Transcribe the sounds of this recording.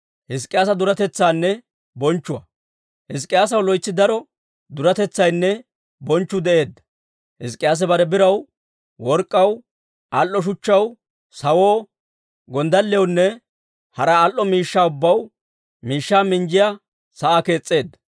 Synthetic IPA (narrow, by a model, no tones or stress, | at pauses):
hɪs̬kʼɪjaːsɐd̪ʊɾɐt̪ɛt͡sːaːnːɛ | bɔnt͡ʃːʊwɐ̰ | hɪs̬kʼːɪjaːs̬ɐwlɔjt͡sːɪd̪ɐɾɔ | d̪ʊɾɐt̪ɛt͡sːɐjnːɛ | bɔnt͡ʃːʊd̪ɛʔe̞ːd̪ːɐ̥ | hɪskʼɪjaːs̬ɛbɐɾɛbɪɾɐw | wɔɾkʼːɐw | ʔɐlʔːɔʃ̬ʊt͡ʃːɐw | sɐwoː | ɡɔnd̪ɐlːɛwnːɛ | hɐɾɐalʔːɔmiːʃːaːʊbːɐw | miːʃːaːmɪnd͡ʒɪja | sɐake̞ːt͡sʼːe̞ːd̪ːɐ̥